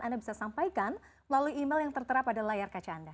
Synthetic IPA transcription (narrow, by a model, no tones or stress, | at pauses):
andabisasampajkanməlaluiimɛljaŋt̪ərt̪əɾapadalajarkat͡ʃaːnda